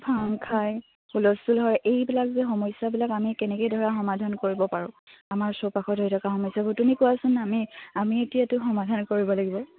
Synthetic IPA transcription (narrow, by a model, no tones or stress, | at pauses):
pʰaŋkʰaj | xulɔstulɦɔɹɛʔejbilakzɛxɔmɔjsabilakamikɛnɛkojdʱɔɹaxɔmadʱankoɹibɔpaɹʊ̃amaɹsopaxɔtɦojtʰɔkaxɔmɔjsabutunikʊwasʊnamiamietijatʊxɔmadʱankoɹibɔlaɡibɔ